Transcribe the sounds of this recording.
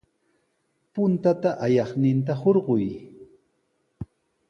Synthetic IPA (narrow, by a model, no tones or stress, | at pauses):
pʊnt̪at̪aʔajɑχnɪnt̪̬ahoɾɢʊj